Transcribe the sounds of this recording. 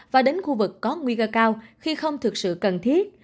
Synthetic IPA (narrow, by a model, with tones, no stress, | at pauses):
vaː˨˩ɗe˨˦nxu˧vɨ˨˩kːɔ˨˦ŋwi˧kəː˧kaː˧wxi˧xə˧wŋ͡mt̪ʰɨ˨˩k̚sɨ̰˧˨kə˨˩nt̪ʰi˦˥ət̚